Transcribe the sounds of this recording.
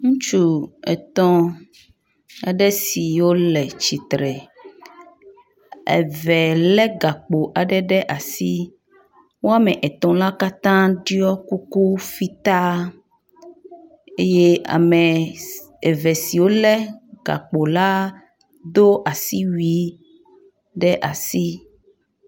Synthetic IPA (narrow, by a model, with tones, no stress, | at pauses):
ŋũ˦t͡ʃu˦ɛ̰˨t̪ɔ̃˦ | a̰˨ɖɛ˦si˨wo˦lɛ˨t͡ʃi˨t̪ɾɛ˨ | ɛ̰˨vɛ˨lɛ˦ɡa˨k͡po˨ʔa˨ɖɛ˦ɖɛ˦ʔa˨si˦ | wo˦a˦mɛ˨ʔɛ˨t̪ɔ̃˨la˦ka˦t̪ã˦ɖi˦ɔ˦ku˦ku˦fi˦t̪a˦ | e˦je˦a̰˨mɛ˨ | ɛ˨vɛ˨si˨wo˦lɛ˦ɡa̰˨k͡po˨la˦ | d̪o˦ʔa˨si˦wi˨˦ | ɖɛ˦ʔa˨si˦